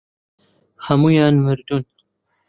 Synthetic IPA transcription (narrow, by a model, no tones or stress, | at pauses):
hamujaːnmɨɾd̪un